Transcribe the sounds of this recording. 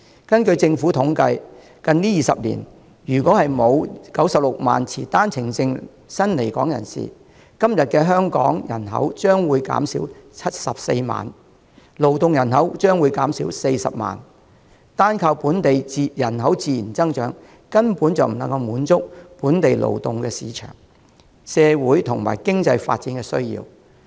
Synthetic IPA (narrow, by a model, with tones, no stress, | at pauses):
kɐ˥nkɵ˧ɥt͡sɪ˧ŋfuː˨˥t̪ʰʊ˨˥ŋkɐ˧j | kɐ˧nliː˥jiː˨sɐ̰˨p̚lḭ˨˩n | jyː˨˩kɔː˨˥hɐ˨jmo˨˧wkɐ˨˥wsɐ˨p̚lʊ˨k̚ma̰ː˨nt͡sʰḭː˨˩t̪aː˥nt͡sʰɪ˨˩ŋt͡sɪ˧ŋ | sɐ˥nle˨˩jkɔ̰ː˨˥ŋjɐ̰˨˩nsḭː˨˩ | kɐ˥mjɐ˨t̚kɛː˧ɦœː˥ŋkɔ̰ː˨˥ŋjɐ̰˨˩nɦɐ̰˨˥wt͡ʃœː˥ŋwuː˨˧jka̰ː˨˥msḭː˨˥wt͡sʰɐ˥t̚sɐ˨p̚sḛ˧jma̰ː˨n | lo˨˩wt̪ʊ˨ŋjɐ˨˩nɦɐ˨˥wt͡ʃœː˥ŋwuː˨˧jkaː˨˥msiː˨˥wse˧jsɐ̰˨p̚ma̰ː˨˩n | t̪aː˥nkʰaː˧wpuː˨˥nt̪e˨ji˨jɐ˨˩nɦɐ˨˥wt͡siː˧jiː˨˩nt͡sɐ˥ŋt͡ʃœː˨˥ŋ | kɐ˥npu˨˥nt͡sɐ˨wm̩˨˩nɐ˨ŋkɐ˧wmuː˨˥nt͡sʊ˥k̚puː˨˥nt̪e˨jlo̰˨˩wt̪ʊ˨ŋkɛː˧siː˨˧t͡ʃʰœ̰ː˨˩ŋ | sɛː˧wuː˨˥jt̪ʰʊ˨˩ŋma̰ː˨˩jkɪ˥ŋt͡sɐ˧jfa̰ː˧t̚t͡siː˨˥nkɛː˧sɵ˥ɥjḭː˧w